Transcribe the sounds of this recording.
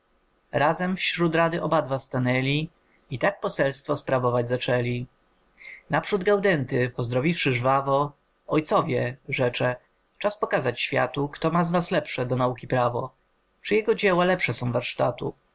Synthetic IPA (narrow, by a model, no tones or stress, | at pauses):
ɾazɛmfɕɾut̪ɾad̪ɘʔɔbad̪vast̪anɛlʲi | it̪ak̚pɔsɛlst̪fɔspɾavɔvad͡ʑzat͡ʂɛlʲi | napʂud̪ɡawd̪ɛnt̪ɘpɔzd̪ɾɔvʲifʂɘʐvavɔ | ɔjt̪sɔvʲjɛʐɛt͡ʂɛ | t͡ʂaspɔkazat͡ɕɕfʲja̰t̪ukt̪ɔmaznaslɛpʂɛd̪ɔnaukʲipɾavɔ | t͡ʂɘjɛɡɔd͡ʑɛwalɛpʂɛsɔ̃w̃vaɾʂt̪at̪ṵ